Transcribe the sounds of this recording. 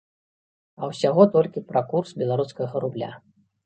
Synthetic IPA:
ɐwsʲaɣɔt̪ɔlʲkʲipɾakursbʲɛlˠaɾuskɐɣɐɾublʲa̰

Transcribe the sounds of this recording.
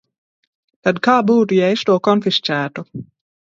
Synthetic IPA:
t̪ad̪kaːbuːt̪ujɛst̪uɔkɔnfist͡sæːt̪u

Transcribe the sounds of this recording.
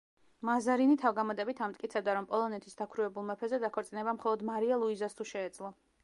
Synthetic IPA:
mazaɾinit̪ʰavɡamɔd̪ɛbit̪ʰamt̪ʼkʼit̪sʰɛb̚d̪aɾɔmpʼɔlˠɔnɛt̪ʰisd̪akʰɾuɛbulˠmɛpʰɛzɛd̪akʰɔɾt̪sʼinɛbamχɔlˠɔd̪maɾialˠuizast̪ʰuʃɛːd̪zlˠɔ

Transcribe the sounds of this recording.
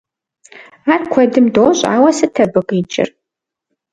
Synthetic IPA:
aːrkʷʰɔdɨmdoːɕʼa̰ːwɐsɨtʰɐbɨqʼit͡ʃʼɪ̰r

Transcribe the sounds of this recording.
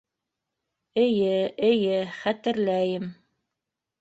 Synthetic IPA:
ɘ̆jɘɘ̆jɘχæt̪ɘ̆ɾlæjɘm

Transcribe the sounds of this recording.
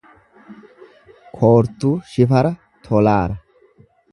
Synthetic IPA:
kʰoːɾt̪ːuːʃɪfɐɾɐ | t̪ʰɔlaːɾɐ

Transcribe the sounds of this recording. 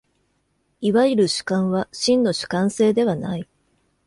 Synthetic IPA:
iβaiɾɯ̟ɕɨ̥kãɰ̃βaɕĩnːo̞ɕɨ̥kãɰ̃se̞ːd̪e̞βanai

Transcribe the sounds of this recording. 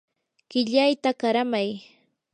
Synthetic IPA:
ɢɪʎajt̪akaɾamaj

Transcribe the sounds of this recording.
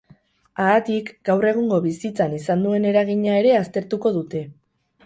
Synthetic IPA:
aːt̪ikɡ̥awre̞ɣ̞uŋɡo̞βisit͡sanisand̪ue̞ne̞ɾaɣiɲae̞ɾe̞ast̪e̞ɾt̪uko̞ðut̪e̞

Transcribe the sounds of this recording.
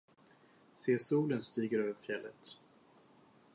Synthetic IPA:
seːsuːlənst̪iːɡəɾøːvəɾfjɛlːə̰t̪

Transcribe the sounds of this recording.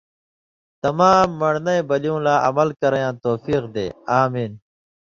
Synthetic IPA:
t̪ɐmaːmːɐɽnɐjbɐlijũːlaːʔɐ̰mɐlkɐɾɐjãːt̪oːfiːqd̪ḛːaːmiːn

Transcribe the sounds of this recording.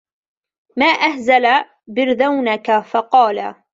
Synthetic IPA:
maːʔahzala | bɪɾðawnakafɑqɑːla

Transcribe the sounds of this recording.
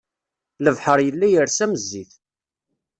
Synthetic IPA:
ləvħəɾˤjəlːæjəɾsæməzːiθ

